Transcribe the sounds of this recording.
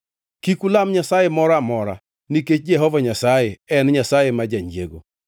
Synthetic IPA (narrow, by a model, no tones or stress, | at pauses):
kikulamɲasajemɔɾamɔɾa̰ | niket͡ʃd͡ʒɛɦɔvaɲasajeɛnɲasajemad͡ʒaɲd͡ʒjḛɡo̰